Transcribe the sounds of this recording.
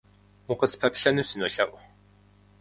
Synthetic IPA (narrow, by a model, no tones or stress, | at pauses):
wʊqəspʰɐpɬɐnuːsɨnoːɬɐʔʷ